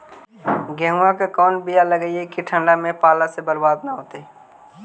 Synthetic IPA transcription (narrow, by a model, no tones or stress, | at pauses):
ɡɛ̃ːɦũakakɔːnbijaləɡəiɦekiʈʰə̃ɳɖamẽpaːlasebəɾbaːd̪naɦoːt̪e